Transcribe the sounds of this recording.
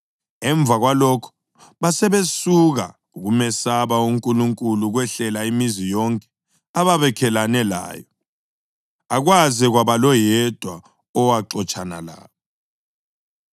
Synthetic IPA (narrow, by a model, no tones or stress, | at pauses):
ɛɱb̪vʱaɣwalɔkʰɔ̥ | βasɛβesuɣa̰ | uɣumɛsaβauŋkʼuluŋkʼuluɣwɛɬɛlaimizijɔŋkʼɛ̥ | aβaβɛkʰɛlanɛla̰ːjɔ | aɣwaziɣwaβalɔjɛd̥ʱwa | ɔwaǀɔt͡ʃʼana̰la̰ːβɔ